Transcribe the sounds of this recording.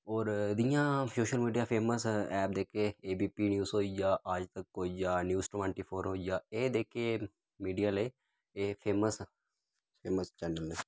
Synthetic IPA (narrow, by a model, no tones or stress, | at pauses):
ɔːɾd̪ɪjãːsoːʃəlmiːɖijaːpʰeːməsɛːp̚d̪eːkʰeːeːbiːpiːnjuːsɦoːid͡ʒaːʔaːd͡ʒt̪əkɦoːid͡ʒaːnjuːsʈʋə̃ːɳʈiːpʰoːɾɦoːid͡ʒaːeːd̪eːkʰe | miːɖijaːleː | eːpʰeːməs | pʰeːməst͡ʃɛːnəleː